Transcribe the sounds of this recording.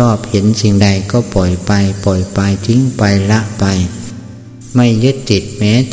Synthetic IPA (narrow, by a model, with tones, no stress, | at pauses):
ɔː˥˩p̚he˩˦nsi˨˩ŋda˧jkɔː˥˩pɔ˨˩jpa˧jpɔ˨˩jpa˧jt̪ʰi˧˥ŋpa˧jla˦˥ʔpa˧j | ma˥˩jːɯ˦˥t̪̚ːi˨˩t̪̚mɛː˦˥